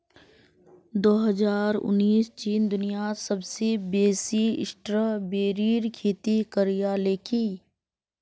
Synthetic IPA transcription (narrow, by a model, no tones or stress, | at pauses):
d̪oːɦəzaːɾʊ̰nːiːst͡ʃiːnd̪ʊnijasɐbsebeːsiɪ̰sʈɾəbeːɾiːɾkʰeːt̪ikəɾijaːleːkʰiː